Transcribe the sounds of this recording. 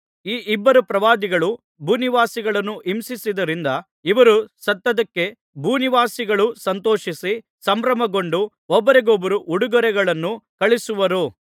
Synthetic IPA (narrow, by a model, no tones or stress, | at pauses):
iːʔibːɐɾupɾɐʋaːd̪iɡɐɭu | bʱuːniʋaːsiɡɐɭɐnːuʔimsisid̪ɐɾind̪ɐ | iʋɐɾusɐt̪ːɐd̪ɐkːe̞ | bʱuːniʋaːsiɡɐɭusɐnt̪oːʃisi | sɐmɾɐmɐɡo̞ɳɖu | ɔbːɐɾiɡobːɐɾuʔuɽuɡɐɾɛɡɐɭɐnːukɐɭisuʋɐɾu